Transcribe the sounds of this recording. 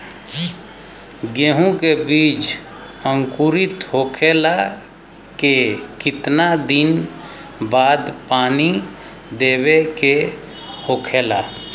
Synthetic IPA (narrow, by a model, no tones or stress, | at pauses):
ɡeɦũkebiːt͡ʃ | ə̃ŋkuɾɪt̪ɦokʰela | kekɪt̪nad̪ɪn | baːd̪paːni | d̪eːbeke | hoːkʰela